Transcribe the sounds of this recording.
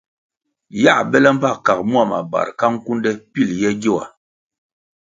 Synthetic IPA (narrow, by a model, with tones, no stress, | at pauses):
ja˦˨bɛ˦lɛ˦m̩˦pa˦˨ka˨k̚mu˦a˦˨ma̰˨ba̰˨ɾka˦ŋ̩˦ku˦ndɛ˦pi˦ljɛ˦ɟo˦wa̰˨